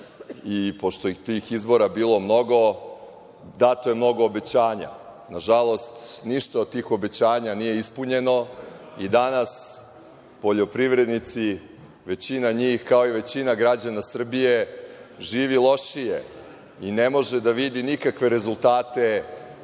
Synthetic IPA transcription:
ipo̞ʃt̪oit̪iːxizbo̞ɾabiːlˠo̞mno̞ɡo̞ | d̪at̪oje̞mno̞ɡoːbe̞t͡ɕaːɲa̰ | naʒalˠo̞st̪niʃt̪aod̪t̪ːiːxo̞be̞t͡ɕaːɲanije̞ispuɲe̞no̞id̪anas | po̞ʎo̞pɾiʋɾe̞d̪nit̪si | ʋe̞t͡ɕinaɲiːxkao̞iʋe̞t͡ɕinaɡɾad͡ʑanasr̩bije̞ʒiːʋilˠo̞ʃije | inemo̞ʒed̪aʋid̪inikakʋe̞ɾe̞zulˠt̪aːt̪e̞

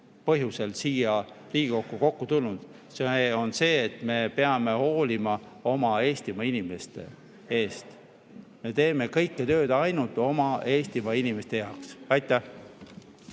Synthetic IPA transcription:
pɤɦjuse̞lsiːjɑ | liːɡiokːuko̞kːut̪ulnːud̪̥ | seo̞nse̞ːt̪ˑme̞pe̞ɑme̞ho̞ːlimɑ | o̞mɑe̞ːst̪imɑinime̞st̪e̞̰ | e̞ːst̪ | me̞t̪e̞ːme̞kɤ̞jkːet̪ø̞ːd̪ɑjnult̪ːˑo̞mɑe̞ːst̪imɑinimest̪e̞jɑoksɑjt̪ˑːæh

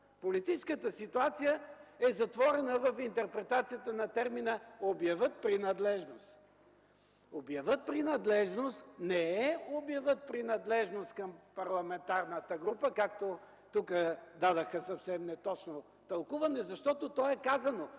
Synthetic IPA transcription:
polit̪it͡ʃɛ̥skət̪əsit̪uat̪sijəɛzɐt̪vɔɾɛnəvɐfint̪ɛɾpɾɛt̪at̪sijət̪ənɐt̪ɛɾminəobjɐvət̪̚pɾinɐd̪lɛʒnost̪ | objɐvət̪̚pɾinɐd̪lɛʒnost̪nɛɛobjɐvət̪̚pɾinɐd̪lɛʒnost̪̚kɐmpɐɾlˠɐmɛnt̪aɾnət̪əɡɾupəkak̚t̪o | t̪ukəd̪ad̪ɐxəsɐfsɛmnɛt̪ɔt͡ʃno | t̪ɐlˠkuvɐnɛzɐʃt̪ɔt̪ot̪ɔɛkazɐno

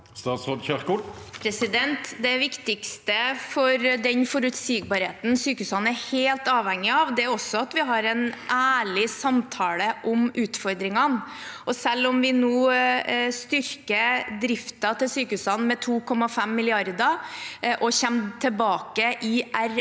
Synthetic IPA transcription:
st̪ɑːt̪sɔd̪çøʁkʊ | pʰɾɛsɪd̪ɛnt̪d̪ɛʋɪkt̪ɪkst̪əfɔɾd̪ɛnfɔɾʉt̪siːɡ̚bɑɾheːt̪n̩syːkəʉːsɑnæɾheːlt̪ɑːʋhɛŋːɪɑʋd̪ɛæɾɔsɔɑt̪ʋɪɦɑɾɛnʔæːɭɪsɑmt̪ʰɑːləʔɔmʉːt̪fɔɾd̪ɾɪŋɑn | ɔsɛlːɔmʋɪnoː | st̪ʏɾkəd̪ɾɪft̪ɑt̪ɪlsyːkəʉsɑnmɛt̪ʰuːkʰɔmːɑfɛmːɪlɪɑɾd̪ɑʔɔçɛmt̪ʰɪlbɑːkəʔɪʔæɾ

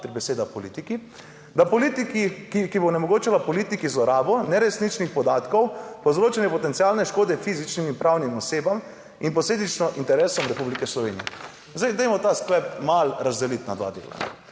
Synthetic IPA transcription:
t̪ɾbɛseːd̪apɔlit̪iki | d̪apɔlit̪ikikkibonɛmɔɡoːt͡ʃalapɔliːt̪ikizlɔɾaːbɔnɛɾɛsnit͡ʃnixpɔd̪aːt̪kɔwpɔzɾoːt͡ʃɛnjɛpɔt̪ɛnt̪siaːlnɛʃkoːd̪ɛfiːzit͡ʃniminpɾʔawnimɔseːbam | inpɔsleːd̪it͡ʃnɔʔint̪ɛɾɛːsɔmɾɛpublikɛslɔʋeːnijɛ̰ | zd̪ajd̪ɛjmɔt̪aːsklɛpmalɾazd̪ɛlit̪nad̪ʋa̰d̪ḛːla̰n̰

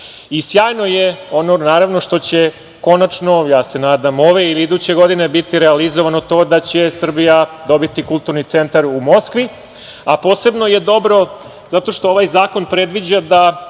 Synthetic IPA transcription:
isjaːjno̞je̞o̞nonaːɾaʋno̞ʃt̪o̞t͡ɕe̞ | ko̞nat͡ʃno̞jaːse̞naːd̪amo̞ʋe̞iliid̪uːt͡ɕe̞ɡo̞d̪ine̞bit̪iɾealizoʋano̞t̪o̞ːd̪at͡ɕe̞sr̩bijad̪o̞bit̪ikulˠt̪uɾnit̪se̞nt̪aɾumo̞skʋi | apo̞ːse̞bno̞je̞d̪o̞bɾo̞ | zat̪o̞ʃt̪o̞o̞ʋajzaːko̞npɾe̞d̪ʋid͡ʑad̪a

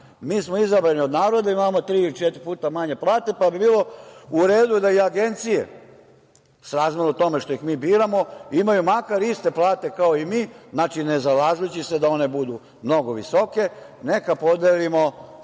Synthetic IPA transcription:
miːsmoizabɾaniod̪naːɾo̞d̪aimamo̞t̪ɾiːilit͡ʃet̪ɾipuːt̪amaɲe̞plˠaːt̪e̞pabibiːlo̞uɾe̞ːd̪ud̪aiaɡe̞nt̪sijḛ | sɾaːzmeɾut̪o̞meʃt̪o̞ixmiːbiːɾamo̞imajumakaɾist̪e̞plˠaːt̪e̞kao̞imiːznaːt͡ʃinezalaʒujut͡ɕised̪ao̞ne̞bud̪u | mno̞ɡoʋiso̞ke̞ne̞kapo̞d̪elimo

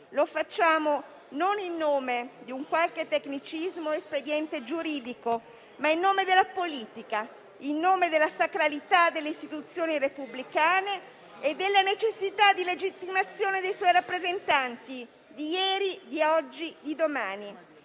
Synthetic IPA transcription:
lofat͡ʃːaːmo | noninːoːmed̪iuŋkwalk̟et̪ːeknit͡ʃizmoesped̪jɛnt̪ed͡ʒuɾiːd̪iko | mainːoːmed̪elːapoliːt̪ika | inːoːmed̪elːasakɾalit̪ad̪elːeist̪it̪ut̪sːjoːnirepublikaːneː | d̪ːelːanet͡ʃesːit̪ad̪ːiled͡ʒit̪ːimat̪sːjoːned̪ejswɔjɾapːɾezent̪ant̪i | d̪ijɛːɾid̪iɔd͡ʒːid̪id̪omaːni

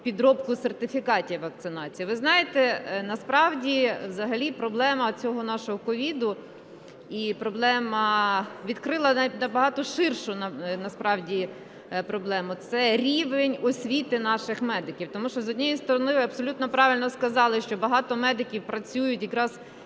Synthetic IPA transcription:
pʲid̪ɾɔpkʊsert̪ɪfʲikɑtʲijɐʋɐk̚t̪sɪnɑt͡sʲijiʋɪznɑjet̪ɛnɐspɾɑwdʲiwzɐɦɐlʲipɾɔblˠɛmɐt͡sʲɔɦɔnɑʃɔɦɔkɔʋʲid̪ʊ | ipɾɔblˠɛmɐʋʲid̪kɾɪlˠɐnɐbɐɦɑt̪ɔʃɪrʃʊnɐnɐspɾɑwdʲi | pɾɔblˠɛmʊt̪sɛɾʲiʋenʲɔsʲʋʲit̪ɪnɑʃɪxmɛd̪ɪkʲiwt̪ɔmuʃt͡ʃɔzɔdʲnʲijist̪ɔɾɔnɪʋɪɐbsɔlʲut̪nɔpɾɑʋʲɪlʲnɔskɐzɑlˠɪʃt͡ʃɔbɐɦɑt̪ɔmɛd̪ɪkʲiwpɾɐt͡sʲujʊtʲjɐkɾɑz

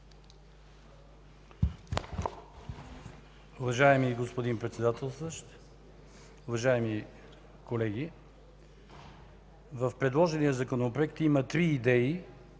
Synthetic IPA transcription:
ʊvɐʒaɛmiɡospod̪inpɾɛt̪sɛd̪at̪ɛlˠsəʃt̪ | ʊvɐʒaɛmi | kolɛɡ̟i | vɐfpɾɛd̪lˠɔʒɛnijəzɐkonopɾoɛkt̪imət̪ɾiːd̪ɛi

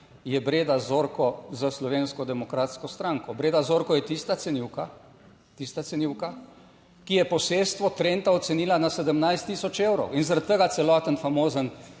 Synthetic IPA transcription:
jɛbɾeːd̪azoːɾkɔzaslɔʋeːnskɔd̪ɛmɔkɾat̪skɔst̪ɾaŋkɔbɾeːd̪azoːɾkɔjɛt̪ist̪at̪sɛniwka | t̪ist̪at̪sɛniwka | kijɛpɔseːst̪ʋɔt̪ɾent̪aɔt̪sɛniːlanasɛd̪əmnajst̪ːiːsɔt͡ʃewɾɔwinzaɾat̪̚t̪ːəɡat̪sɛlɔt̪ənfamoːzən

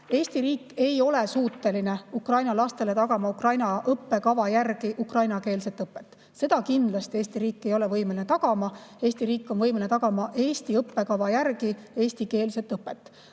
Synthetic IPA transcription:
e̞ːst̪iɾiːkːˑe̞jo̞le̞suːt̪ːe̞line̞ukrɑjnɑlɑst̪e̞le̞t̪ɑɡɑmɑukrɑjnɑʔɤpːe̞kɑvɑjærɡiʔukrɑjnɑke̞ːlise̞t̪ːɤpːˑet̪ːˑ | se̞d̪̥ɑkind̪lɑst̪ieːst̪iɾiːkːe̞jo̞le̞vɤjmelinet̪ɑkɑmɑe̞ːsʲt̪iɾiːkːˑo̞nvɤjmenet̪ɑɡɑmɑʔe̞ːst̪iɤpːe̞kɑvɑjærɡie̞ːsʲt̪ike̞ːliset̪ːˑɤpːˑe̞t̪ːˑ

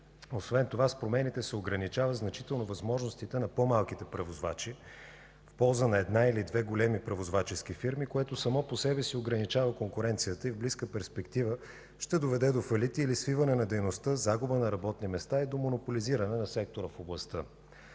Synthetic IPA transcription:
osvɛnt̪ovaspɾomɛnit̪ɛsɛoɡɾɐnit͡ʃavət̪znɐt͡ʃit̪ɛlˠnovɐzmɔʒnost̪it̪ɛnɐpɔmalˠk̟it̪ɛpɾɛvozva̰t͡ʃi | fpɔlˠzənɐɛd̪nailid̪vɛɡolɛmipɾɛvozvat͡ʃɛsk̟ifiɾmikoɛt̪osɐmɔposɛbɛsioɡɾɐnit͡ʃavəkoŋkʊɾɛnt̪sijət̪əivbliskəpɛɾspɛkt̪ivə | ʃt̪ɛd̪ovɛd̪ɛd̪ofɐlit̪iːlisvivənɛnɐd̪ɛjnost̪əzaɡʊbənɐɾɐbɔt̪nimɛst̪aid̪omonʊpoliziɾənɛnɐsɛk̚t̪oɾəfoblˠɐst̪ə

